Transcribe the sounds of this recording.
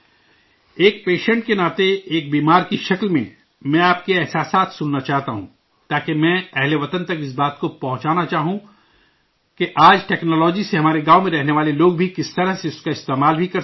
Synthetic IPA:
eːk̚peːʃə̃ɳʈ̚kenaːt̪eeːk̚biːmaːɾkiʃɐklmḛ̃ | mɛ̃aːp̚keɛɦsaːsaːt̪ʰsʊnːat͡ʃaːɦt̪aɦũː | t̪aːkemɛ̃ːɛɦleʋɐt̪ənt̪ɐkɪs̬baːt̪kopɐɦʊ̃t͡ʃaːnat͡ʃaːɦũ | keʔaːd͡ʒʈɛːknɔːlɔːd͡ʒiseɦɐmaːɾeɡaːomẽɾɛɦneʋaːleloːɡbʱikɪst̪ɐɾəɦseʊskaɪst̪eːmaːlbʱikɐɾ

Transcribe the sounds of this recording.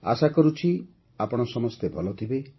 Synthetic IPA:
a̰sakɔɾut͡ʃʰi | apɔɽ̃ɔsɔmɔst̪ebʱɔlɔt̪ʰibe

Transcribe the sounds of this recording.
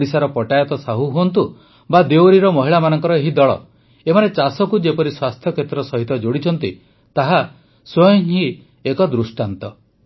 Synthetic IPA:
ɽisaɾɔpɔʈajɔt̪ɔsaɦuɦuɔnt̪u | bad̪ewɾiɾɔmɔɦiɭamanɔŋkɔɾɔeɦid̪ɔɭɔ̰ | emanet͡ʃasɔkud͡ʒepɔɾiswast̪ʰjɔkʰet̪ɾɔsɔɦit̪ɔd͡ʒoɽit͡ʃʰɔnt̪i | t̪aɦa | swɔjɔŋɦi | ekɔd̪ɾusʈant̪ɔ

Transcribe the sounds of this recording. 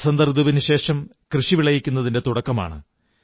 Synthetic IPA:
sɐnd̪ɐrd̪uʋinɨɕe̞ːʂɐm | krɨʂiʋiɭɐjikʲːun̪ːɐðinde̞t̪uɽɐkːɐma̰ːɳɨ̰

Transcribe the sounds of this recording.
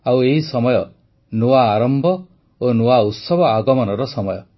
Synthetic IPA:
aweɦisɔmɔjɔ | nuwaːɾɔmbʱɔ | onuaut̪sɔbʱɔaɡɔmɔnɔɾɔsɔmɔjɔ

